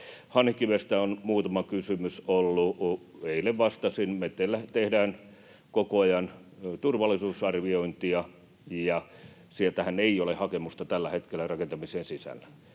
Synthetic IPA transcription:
hɑnhikːiʋest̪æonmuːt̪ɑmɑkysymysolːuʔ | eileʋʋɑst̪ɑsinmet̪ːelːæt̪ehdæːn | kokoɑjɑnt̪urʋɑlːˑisuːsɑrʋioint̪iɑ | jɑ | sielt̪æhæneijolehɑkemust̪ɑt̪ælːæhet̪kelːærɑkent̪ɑmiseːnsisæ̰lːæ̥

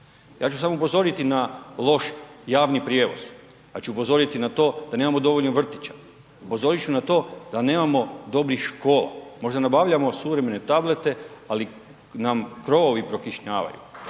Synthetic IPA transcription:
ja̰ːt͡ʃusamoupo̞zo̞ɾit̪inalˠo̞ʃjaːʋnipɾje̞ːʋo̞̰z̥ | at͡ɕuːpo̞zo̞ɾit̪inat̪o̞ːd̪ane̞ːmamo̞d̪o̞ʋoʎnoʋr̩t̪i̥t͡ɕḁ | upo̞zo̞ɾit͡ʃunat̪o̞ːd̪ane̞ːmamo̞d̪o̞bɾixʃko̞ːla̰mo̞ʒd̪anabaʋʎamo̞suʋɾe̞me̞ne̞t̪able̞t̪e̞ali | namkɾo̞ʋoʋipɾo̞kiʃɲaːʋa̰jṵ

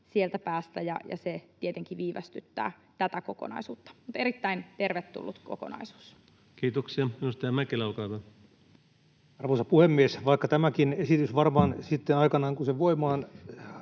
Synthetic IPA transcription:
sielt̪æpæːst̪æjɑ̰jɑ̰set̪iet̪eŋkiʋiːʋæ̰st̪yt̪ːæ̰ːt̪æt̪ækoko̰nɑ̰isuːt̪ːɑ̥mut̪eɾit̪ːæint̪erʋet̪ːṵlːut̪ko̰ko̰nɑ̰isu̥ːs | kiːt̪oksiɑmiust̪eɑmækelɑlkɑːt̪ɑ | ɑrʋosɑpuhemːiesʋɑikːɑt̪æmækinesit̪ysʋɑrmɑːnsit̪ːenɑikɑnɑːŋkuseʋoimɑːn

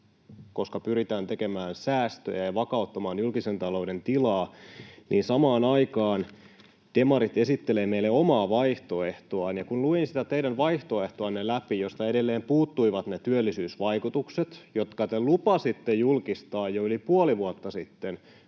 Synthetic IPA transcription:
ko̞skɑpyɾit̪æːnt̪e̞kemæːnsæːst̪ø̰jæjɑʋɑkɑut̪ːɑmɑːnjulkisent̪ɑlo̞ude̞nt̪ilɑːniːnsɑmɑːnɑikɑːn | t̪emɑɾit̪e̞sit̪ːeleːmeilːeomɑːʋɑiht̪o̞eht̪oɑːnjɑkunluinsit̪æt̪eidænʋɑiht̪o̞e̞ht̪oɑnːelæpijost̪ɑedelːeːmpuːt̪ːuiʋɑt̪net̪yølːisyːsʋɑikut̪ukset̪jot̪kɑt̪elupɑsit̪ːejulkist̪ɑːjjoylipuoliʋuɑt̪ːɑsit̪ːen

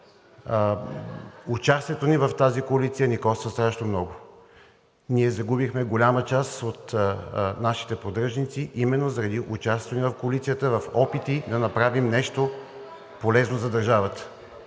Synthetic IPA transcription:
ʊt͡ʃast̪iɛt̪onivɐft̪azikoɐlit̪siənikɔst̪vəst̪ɾaʃnomnɔɡʊ | niɛzɐɡubixmɛɡolʲamət͡ʃasot̪ | naʃi̥t̪ɛpɾod̪ɾəʒnit̪siʔimɛnːozəɾɐd̪iʔʊt͡ʃasonivɐfkoɐlit̪sijət̪əvɐfɔpit̪id̪ɐnɐpɾavimnɛʃt̪o | polɛznozɐd̪ɐɾʒavət̪ə̥

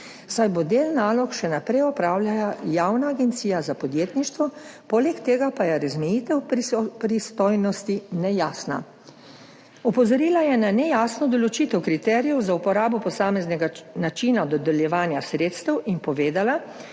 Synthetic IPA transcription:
sajbod̪eːlnaːlɔkʃɛnapɾɛjɔpɾaːwljajajaːwnaːɡɛnt̪siːjazapɔd̪jeːt̪niʃt̪ʋɔpoːlɛkt̪eːɡapajɛɾazmɛjiːt̪ɛwpɾist̪ɔjnɔst̪inɛjaːsna̰ | ɔpɔzɔɾiːlajɛnanɛjaːsnɔd̪ɔlɔt͡ʃiːt̪ɛwkɾit̪ɛːɾijɔwzaupɔɾaːbɔpɔsaːmɛznɛɡanat͡ʃinad̪ɔd̪ɛljɛʋaːnjasɾeːt̪st̪ɛwʔinpɔʋeːd̪ala

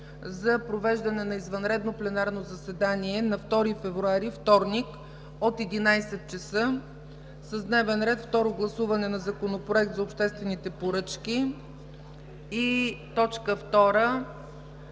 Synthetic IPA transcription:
zɐpɾovɛʒd̪ɐnɛnɐizvɐnɾɛd̪noplɛnaɾnozɐsɛd̪aniɛnɐft̪ɔɾifɛvɾuaɾift̪ɔɾnik | ot̪ɛd̪inajsɛt̪̚t͡ʃɛsɤ | səzd̪nɛvɛnɾɛt̪ft̪ɔɾoɡlˠɐsuvɐnɛnɐzɐkonopɾoɛk̚t̪zɐopʃt̪ɛst̪vɛnit̪ɛpoɾɤt͡ʃkʲi | it̪ɔt͡ʃkəft̪ɔɾə

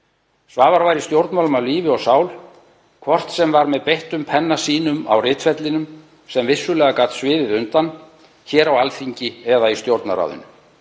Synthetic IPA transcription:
svaːvaɾvajɾist̪jowɾt̪nmawlʏmawliːvɪɔsaːwl | kʰvɔr̥t̪sɛmvaɾmɛðpejht̪ʏmpʰɛnːasiːnʏma̰wrɪːt̪fɛt̪lɪnʏm | sɛmvɪsːʏlɛːɣakaːt̪svɪːðɪðʏnt̪an | çɛːɾawalfiɲcɪɛðaist̪jowɾt̪na̰ɾa̰wðʏ̰n

